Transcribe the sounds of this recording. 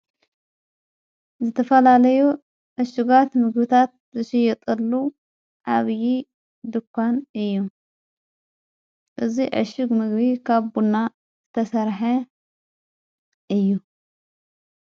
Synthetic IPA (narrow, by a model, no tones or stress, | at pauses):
zɨt̪ʰɐfɐlalɐju | ʕɨʃɪɡat̪mɨɡbɨt̪ʰat̪̚zɨʃɪjɛt̪ʼɐlːu | ʕaβji | d̪ɨkʷʰːanɨjːu | ʔɨziʕɨ̰ʃɨɡmɨɡbikʰaβbunːa | zɨt̪ʰɐsɐɾħɐ | ʔɨjːu